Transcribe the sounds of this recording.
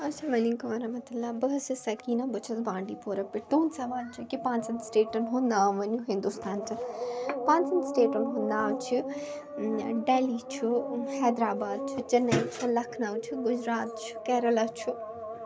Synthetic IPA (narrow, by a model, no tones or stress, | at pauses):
ɐsamɐliːŋkɐmɐɾɐmɐt̪ɐlːaːbɐɦɐsɨsɐkiːnɐbɐt͡ʃʰɐsbãːɳɖipoːɾɐpːɪʈ̪oːnsɐʋaːlt͡ʃʰukipãːnsɐnt̪sʈeːʈɐnɦund̪aːʋɐnjuɦɪ̃nd̪ust̪ʰaːnt̪ɐpãːnsɐnt̪sʈeːʈɐnɦʊ̃nd̪aːwt͡ʃʰu | ɖeːlit͡ʃʰuhɛːd̪ɾaːbaːd̪̚t͡ʃʰut͡ʃɐnːɐit͡ʃʰɐlɐkʰnɐʋt͡ʃʰuɡʊd͡ʒɾaːt̪̚t͡ʃʰu̥kɛːɾɐlɐt͡ʃʰu